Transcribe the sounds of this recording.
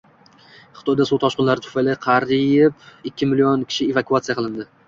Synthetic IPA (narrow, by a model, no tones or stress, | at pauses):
χɨ̥t̪ʰɒjd̪asuwˠt̪ʰɒʃqɨnlaɾɪt̪ʰʊ̥fajlaqʰɑɾipɪkʲʰːɪmɪlijɒnkʲʰɪ̥ʃɪevakuat̪sijaqʰɨlˠɪnd̪ɪ